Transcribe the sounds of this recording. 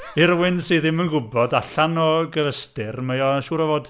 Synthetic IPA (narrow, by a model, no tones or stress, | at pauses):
ɪrwɪnsiðɪmənɡʊbɔdaɬanɔɡəvəstɪrmejɔʃuːɾɛvoːd̥